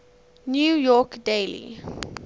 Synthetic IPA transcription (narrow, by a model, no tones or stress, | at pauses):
njuːjɔkdelḭ